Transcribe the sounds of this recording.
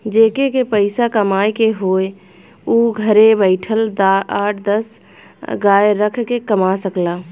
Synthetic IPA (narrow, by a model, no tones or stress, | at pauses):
d͡ʒeːkekepəɪsakəmaːekeɦoːe | uɡʱəɾebəɪʈʰəld̪aaːʈʰd̪əs | ɡaːɾəkʰkekəmasəklaː